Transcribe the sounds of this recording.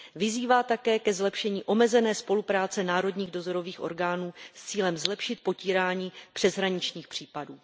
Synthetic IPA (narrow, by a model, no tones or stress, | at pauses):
vɪziːvaːt̪akɛːkɛzlɛpʃɛɲiːʔo̞mɛzɛnɛːspo̞lupɾaːt͡sɛnaːɾo̞dɲiːɣdozo̞ɾo̞viːxʔo̞̰ɾɡaːnuːst͡siːlɛmzlɛpʃɪt̪̚po̞ciːɾaːɲiːpr̥ɛzɦɾaɲɪt͡ʃɲiːxpr̝̥iːpaduː